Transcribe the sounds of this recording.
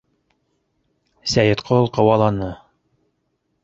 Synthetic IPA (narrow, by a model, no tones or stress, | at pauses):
sæjɘt̪qʰolˠqɤ̆wɑlˠɑnɤ